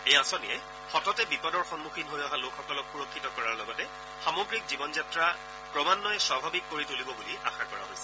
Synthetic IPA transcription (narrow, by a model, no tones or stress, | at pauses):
ejasɔniɛ | xɔtɔtɛbipɔdɔɹxɔnmuxʰinɦojɔɦalokʰxɔkɔlɔkxuɹokʰːitɔkɔɹaɹlɔɡɔtɛ | xamoɡɹik̚zibɔnzatɹa | pɹɔmanːɔjɛswabʱabikːoɹitulibɔbulia̰xakɔɹa̰ɦo̰jsɛ̥